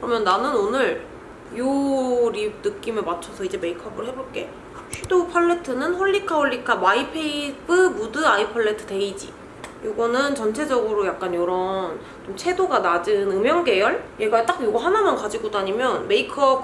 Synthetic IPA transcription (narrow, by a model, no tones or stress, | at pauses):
kɯɾʌmjʌnːanɯnonɯɭ | joɾib̚nɯk͈imeɭmat͡ɕʰʌsʰʌid͡ʑe̞me̞ikʰʌbɯɭhe̞boɭk͈e̞̰ | ɕʰɥidopʰaɭːe̞tʰɯnɯnɸwʌʎːikʰawʌɭːikʰamaipʰeibɯmudɯaipʰʌɭːetʰɯte̞id͡ʑḭ | joɡʌnɯnt͡ɕʌnt͡ɕʰe̞d͡ʑʌɡɯɾojak̚k͈anjoɾʌn | t͡ɕomt͡ɕʰe̞doɡanad͡ʑɯnɯmjʌŋɡe̞jʌɭjeɡaet͈akjoɡʌɦanamankad͡ʑiɡodoaɲimjʌnme̞ikʰʌb̚